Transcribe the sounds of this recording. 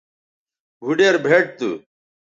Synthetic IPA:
bʱuɖeːɾbʱeːʈ̚t̪ṵ

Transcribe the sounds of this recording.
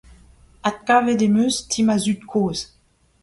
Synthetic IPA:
at̪̚kaːvedemøstʰimazyt̪kʰoːz

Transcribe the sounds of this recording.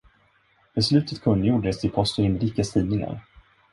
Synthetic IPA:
b̥ɛslʉ̟ːt̪ʰət̪kʰɵnəjuːɖəɛsɪpʰɔst̪əɪnɾiːkːast̪ʰiːvnɪŋa̰ɾ

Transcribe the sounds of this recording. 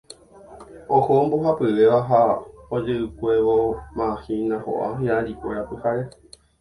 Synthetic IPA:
ohomboɦapɨʋe̞ʋaɦaod͡ʒɨʔɨkʷe̞ʋomãhinãho̰ʔa̰ɲãʔãɾikʷeɾapɨhaɾe

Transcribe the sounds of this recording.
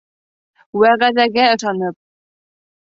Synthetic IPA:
wæʁæðæɡæɤ̆ʃɑnɤp̚

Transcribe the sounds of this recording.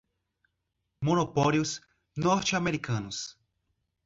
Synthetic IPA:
monopɔljʊs | nɔɾt͡ʃɪameɾikɐ̃nʊs

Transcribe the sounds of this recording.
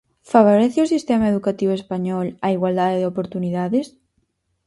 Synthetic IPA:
faβoɾeθeosist̪emaeðukat̪iβoespaɲɔlaiɣwald̪aðeðeopoɾt̪uniðaðes

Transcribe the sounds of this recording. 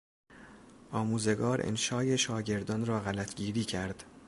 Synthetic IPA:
ʔɒːmuːze̞ɡɒːɾʔḛnʃɒːʔe̞ʃɒːɟe̞ɾd̪ɒːnrɒːɣælæt̪ʰɟiːɾiːcʰæɾd̪̥

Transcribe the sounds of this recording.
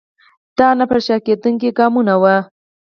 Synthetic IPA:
d̪̥ɑnapəɾʃɑked̪uŋkiɡɑmunawa

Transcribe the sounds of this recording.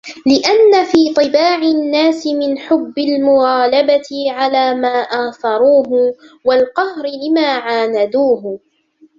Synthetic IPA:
lɪʔanːafiːt̪ˤɨbaːʕɪnːaːsɪmɪnħʊbːɪlmʊɣaːlabat̪ɪʕalaːmaːʔaːθˤɑɾˤuːɦʊwalqɑhɾɪlɪmaːʕaːnad̪uːhʊ

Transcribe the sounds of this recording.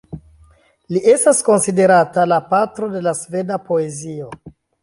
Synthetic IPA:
liʔe̞stasko̞nside̞ɾatalapatɾo̞de̞lasve̞dapo̞e̞zio̞

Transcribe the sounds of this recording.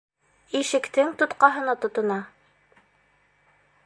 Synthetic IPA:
iʃɘ̆kt̪ɘŋt̪ŏt̪qɑɦɤ̆nɑt̪ŏt̪ŏnɑ

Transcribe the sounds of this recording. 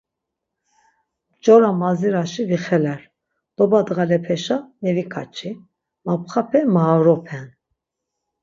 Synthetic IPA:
d͡ʒɔɾamaziɾaʃiviχɛlɛɾ | d̪̥ɔbad̪ɣalɛpʰɛʃanɛvikʰat͡ʃʰʼi | mapχapʰɛmaaɾɔpʰɛn

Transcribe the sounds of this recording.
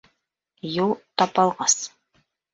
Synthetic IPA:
julˠt̪ɑpɑlˠʁɑs

